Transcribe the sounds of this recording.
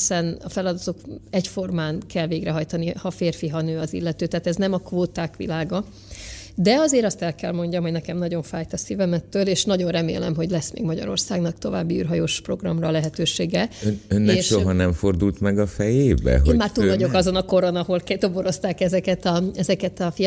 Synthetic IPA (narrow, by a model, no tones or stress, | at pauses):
hisɛnɒfɛlɒd̪ɒt̪o̞kɛcfo̞rmaːnkʰɛlveːɡrɛɦɒjt̪ɒnihɒfeːrfiɦɒnøːɒzḭlːɛt̪øːt̪aːt̪ɛznɛmɒkʋoːt̪aːkʋḭlaːɡɒ | d̪ɛɒzeːɾɒst̪ɛlkɛlmo̞ɲɟɒmɦoɟnɛkɛmnɒɟo̞ɱfaːjt̪ɒsivɛmɛt̪ːøːleːʃnɒɟo̞nrɛmḛːlɛmɦo̞ɟlɛsmḛːɡmɒɟɒ̰ɾo̞̰rsaːɡnɒkt̪o̞va̰ːbːiy̰ːrɦɒjoːʃpro̞ɡrɒ̰mrɒlɛɦɛt̪øːʃeːɡɛønːɛʃʃoɦɒnɛmfo̞rd̪ult̪mɛɡɒfɛjeːbɛ̰ɦoːnmaːrt̪uːlvɒɟo̞kɒzo̞nɒko̞ɾo̞nɒho̞lkɛt̪oboɾo̞st̪aːkɛzɛkɛt̪ɒɛzɛkɛt̪ɒfi